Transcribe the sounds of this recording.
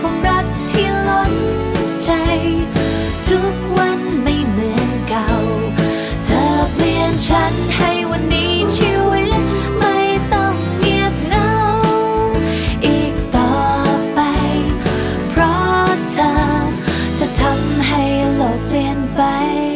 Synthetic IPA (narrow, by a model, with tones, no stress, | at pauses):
kʰa˧˩mɾa˦˥t̚t̪ʰːiː˥˧˩lo˦˥n | t͡ɕa˧j | t̪ʰu˦˥k̚wa˧nma˥˧˩jmɯ˨˧˥ənka˨˩w | t̪ʰəː˨˩pʰli˧ənt͡ɕʰa˦˥n | ha˥˩jwa˧nːiː˦˥t͡ɕʰi˧wi˥ | ma˥˧˩jt̪ɔ˥˧˩ŋ | ni˧˩ət̚na˧˦w | ʔiː˨˩k̚t̪ɔː˨˩pa˧j | pʰɾɔ˦˥t͡ɕa˧˩ | t͡ɕa˧˩t̪ʰa˧mɦa˥˩jlo˨˧˩i˧ənpa˧jj